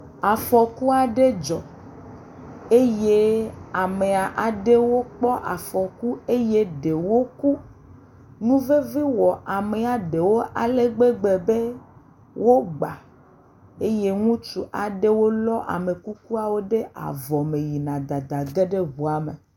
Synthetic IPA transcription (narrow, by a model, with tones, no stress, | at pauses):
a˨fɔ˨ku˦a˨ɖe˦d͡ʒɔ˨ | e˦je˦a˨me˨a˨ʔa˨ɖe˦wo˦k͡pɔ˦ʔa˨fɔ˨ku˦e˦je˦ɖe˨wo˦ku˦ | nũ˦ve˦vi˦wɔ˨ʔa˨me˨a˨ɖe˨wo˦ʔa˨le˦ɡ͡be˦ɡ͡be˨be˦ | wʔo˦ɡ͡ba˨ | e˦je˦ŋũ˦t͡ʃu˨ʔa˨ɖe˦wo˦lɔ˦ʔa̰˨me˨ku˦ku˦a˨wo˦ɖe˦ʔa̰˨vɔ˨me˨ji˨nã˨d̪a˨d̪a˨ɡe˦ɖe˦βu˨a˨me˨